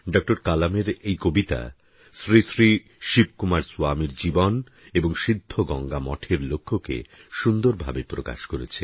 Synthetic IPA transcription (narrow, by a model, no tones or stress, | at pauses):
ɖɔk̚ʈoɾkalameɾejkobit̪a̰ | sɾisɾi | ʃib̚kumaɾsuamiɾd͡ʑibɔn | eboŋʃid̪ʱːoɡɔŋɡamɔ̰ʈʰeɾlokʰːokḛʃund̪oɾbʱa̰bepɾoka̰ʃkoɾḛt͡ɕʰe